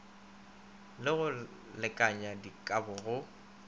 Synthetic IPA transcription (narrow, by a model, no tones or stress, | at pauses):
lɪɣʊ | lɪkʼaɲadikʼabʊɣʊ